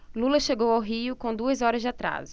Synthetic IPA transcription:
lulɐʃeɡowawɦiʊkõd̪uɐzɔɾɐzd͡ʒɪat̪ɾa̰zʊ̥

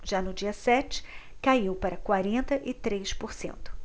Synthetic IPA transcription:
ʒanʊd͡ʒiɐsɛt͡ʃɪ̥kaiwpaɾɐkwaɾẽnt̪ɐʔɪt̪ɾejʃpoɾsḛ̃nt̪ʊ̥

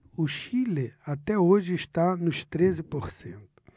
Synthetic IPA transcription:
ʊʃileat̪ɛoʒɪiʃt̪anʊʃt̪ɾezɪpoɾsḛ̃nt̪ʊ̥

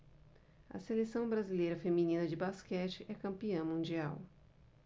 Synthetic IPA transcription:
ɐ̰selesɐ̃w̃bɾazilejɾɐfeminĩnɐd͡ʒɪbaskɛt͡ʃɪʔɛkɐ̃mpiɐ̃w̃mũnd͡ʒiaw

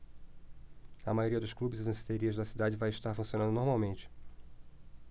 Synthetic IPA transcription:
ɐmajoɾiɐd̪ʊʃklubɪzɪd̪ẽsi̥t̪eɾiɐzd̪ɐsid̪ad͡ʒɪvajɪʃt̪aɾfũsijonɐ̃nd̪ʊnoɾmawmẽnt͡ʃɪ̥

